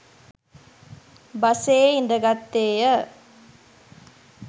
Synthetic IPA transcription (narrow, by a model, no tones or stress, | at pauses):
bɐseːɪnd̪ɐɡɐt̪ːeːjɐ